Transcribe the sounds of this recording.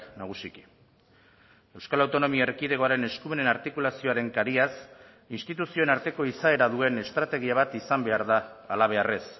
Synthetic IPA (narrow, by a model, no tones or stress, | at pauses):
knaɣ̞usiki̥ | e̞wskalawt̪o̞no̞miaerkiðe̞ɣo̞aɾe̞ne̞skume̞ne̞naɾt̪ikulasio̞aɾe̞ŋkaɾias | inst̪it̪usio̞enaɾt̪e̞ko̞isae̞ɾaðue̞ne̞st̪ɾat̪e̞ɣ̞iaβat̪isambe̞aɾðaːlaβ̞e̞are̞s